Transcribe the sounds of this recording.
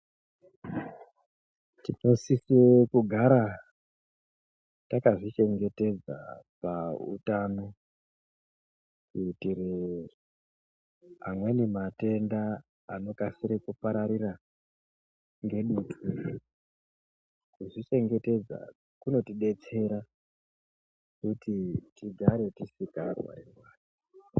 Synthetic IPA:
tino̞sisekuɡʱaɾa | takaʐit͡ʃe̞ŋɡe̞te̞d͡za̰paṵtaːno̞ | kutiɾer | amwenimate̞ndaː | no̞kasiɾekupaɾaɾira | ŋɡe̞ɗutʰu | kuʐit͡ʃe̞ŋɡe̞te̞d͡za̰ | kuno̞tiɗe̞t͡se̞ɾa | kutitiɡʱaɾe̞tisikarwa̰ɾemwaːri

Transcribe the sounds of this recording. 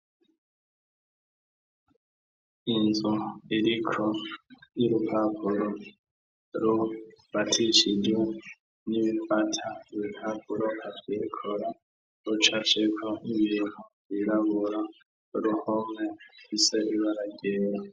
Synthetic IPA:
inzuiɾikʰojiɾupapʰuɾo | ɾuβatʰiʃid͡ʒe | niβifatʰaβipapʰuɾohavɡikʰoɾa | ut͡ʃat͡ʃekʰoiβiːn̥u | βiɾaβuɾa | uɾuhomŋefiseβiβaɾaɟeːɾa

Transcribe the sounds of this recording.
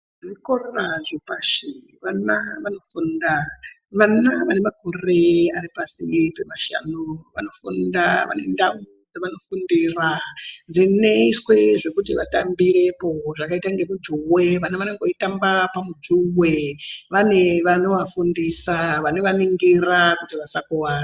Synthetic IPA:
ʐikororaʐipaʃi | ʋanaʋano̞funda | ʋanaʋane̞mako̞re̞aɾipasipe̞maʃa̰nuʋa̰no̞fundaʋa̰ne̞ndaud͡zaʋano̞fundirand͡zine̞iswe̞ʐe̞kut̬iʋa̰tambiɾe̞po̞ʐakaitaŋɡe̞mud͡ʒuwe̞ʋanaʋaneŋɡoitambapamud͡ʒuwe̞ʋane̞ʋano̞ʋafundisaʋano̞ʋaniŋɡirakutiʋasakuwaːna

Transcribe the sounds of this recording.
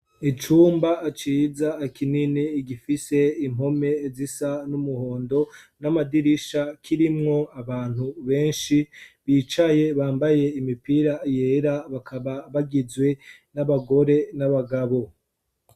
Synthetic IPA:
it͡ʃuːmbaːt͡ʃiːzaːkininiːɡifise̞imho̞me̞zisanumuhoːndo̞ | namadiɾiʃakʰiɾimŋo̞aβaːn̥huβe̞ːnʃiβiːt͡ʃaje̞βaːmbaje̞imipiɾajeɾaβakʰaβaβaɡizwe̞ | naβaɡo̞ɾe̞naβaɡaβo̞

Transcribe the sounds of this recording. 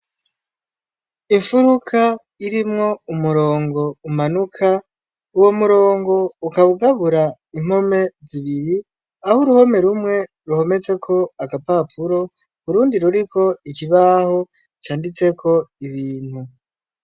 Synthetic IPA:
iɱfuɾukʰa | iɾimŋo̞umuɾo̞ːŋɡo̞umanukʰa | uwomuɾo̞ːŋɡo̞ukaβuɡaβuɾa | im̥home̞ziβiɾi | ahuɾuho̞me̞ɾumŋe̞ | ɾuho̞me̞t͡se̞kʰo̞aɡapapʰuɾo̞ | βuɾuːndiɾuɾikʰo̞ikiβaho̞ | t͡ʃaːndit͡se̞kʰo̞iβiːn̥hu

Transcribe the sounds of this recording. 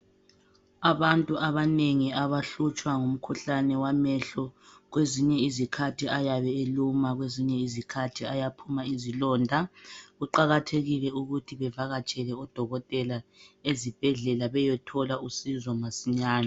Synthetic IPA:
aβantʼuʔaβaneŋiaβaɬut͡ʃʼwaŋum̩kʰuɬanɛwamɛɬɔɣweziɲɛizikʰatʰiajaβɛelumaɣweziɲɛizikʰatʰiajapʰumaizilɔndʱaɣuǃaɣatʰeɣilɛuɣutʰiβɛvaɣat͡ʃʼɛlɛɔd̥ʱɔɣɔtʼɛlaezib̥ʱɛɮɛlaβɛjɛtʰɔlausizɔmasiɲaːna

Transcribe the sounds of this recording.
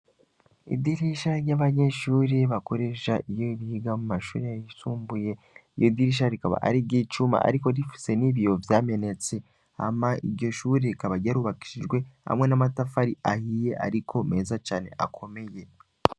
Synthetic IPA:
ḭd̪iɾiʃaɾɟaβaɲe̞ʃuːɾiβako̞ɾe̞ʃaʔijo̞ɾiːɡamumaʃuːɾijajisuːmbuje̞ | ijo̞d̪iɾiʃ̬aɾikaβa̰ʔa̰ɾibɡiːt͡ʃuma̰ʔa̰ɾiko̞ɾifi̥se̞niβiovjaːme̞ne̞t͡se̞ | a̰maiɾɟo̞ʃuːɾikaβaɟaɾuβaki̥ʃiʒɡwe̞ha̰mŋe̞namatafaɾiʔa̰hije̞ʔa̰ɾikʰo̞me̞ːzat͡ʃaːne̞̰ʔa̰kʰo̞me̞je̞

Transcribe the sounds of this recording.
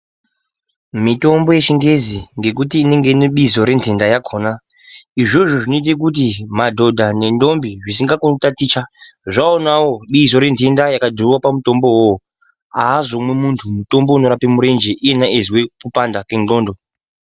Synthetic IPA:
mito̞mbo̞je̞t͡ʃiŋɡe̞ziŋɡe̞k̬utiːne̞ŋɡeneɓizo̞ɾe̞ntʰe̞ndajakʰoːna | iʐo̞ʐo̞ʐino̞it̬ek̬ut̬imadʱo̞dʱane̞ndo̞mbiʐis̬iŋɡakuntatit͡ʃa | ʐaonawo̞ɓiso̞ɾe̞ntʰe̞ndajakadʱuruwapamuto̞mbo̞wow | aːzo̞mwe̞muntʰumuto̞mbo̞uno̞ɾapimuɾe̞nd͡ʒeʔijenaezwekupandakenɡo̞ːndo̞

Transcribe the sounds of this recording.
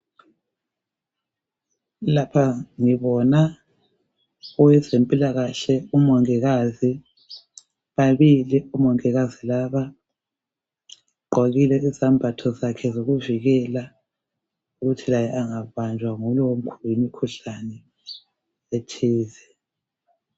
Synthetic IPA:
lapʰaŋiβɔna | ɔwɛzempʼilaɣaɬɛumɔŋɛɣazi | βaβiliumɔŋɛɣazilaβa | ǃwaɣilɛizambʱatʰɔzakʰɛzoɣuviɣɛla | uɣutʰilajɛʔaŋaβand͡ʒʱwaŋulɔwom̩kʰulimikʰuɬanɛ | etʰieːzɛ

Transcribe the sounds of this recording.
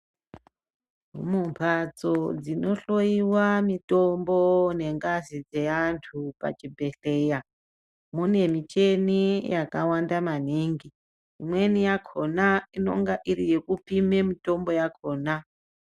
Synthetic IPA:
mumpʰat͡sod͡zino̞ɬo̞iwamito̞mbone̞ŋɡazid͡ze̞antʰupa̰t͡ʃibʱe̞ɬe̞ja | mune̞mit͡ʃe̞nijakawandamaniŋɡiː | mwe̞nijakʰonaino̞̰ŋɡaʔirije̞kupime̞mito̞mbo̞jakʰo̞ːna

